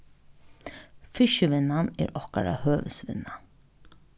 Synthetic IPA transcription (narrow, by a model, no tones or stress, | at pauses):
fɪʃəʋɪnanɛ̰ːɾɔka̰ɾa̰høːʋəsʋɪ̰na